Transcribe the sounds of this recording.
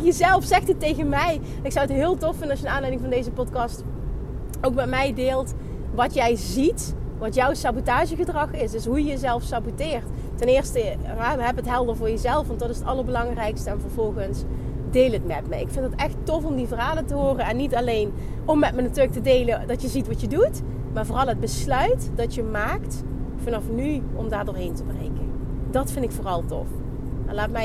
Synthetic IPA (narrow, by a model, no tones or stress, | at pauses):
jəzɛlˠfsɛxtitejɣənmɛj | ɪksɑwətɦɪːlˠtɔfɪndənɑʃənaːnlɛjdɪŋvɑndejzəpɔtkɑst | owkmɛtmɛjdɪːlˠt | ʋɑtjɛjzitʋɑtjɔwsɑbotaːʒəɣədrɑχɪsdɵsɦujəjəzɛlˠfsabotɪːrtː | ɛnɪːɹstə | ɛɦɛpətɦɛlˠdəɹvʊːɹjəzɛlˠfʋɑntdɑtɪsətɑlˠəɹbəlɑŋrɛjkstəɛnvəɹvɔlˠɣəns | dejlətmɛtmɛ̰ɪkfɪndətɛxtɔfɔmdivərɦaːləntəɦoːrəɛnːitɑlejn | ɔmːɛtmənatyːrlək̚tədejlədɑtjəzitʋɑtjədut | maːɹvʊːrɑlˠɦəd̚bəslœɥtd̥ɑtjəmaːkt | fɑnɑfnyɔmdaːɹdoːɹɦejntəbrḛjkən | dɑtfɪntɪkfʊːrɑlˠtɔ̰f | alaːtmɛ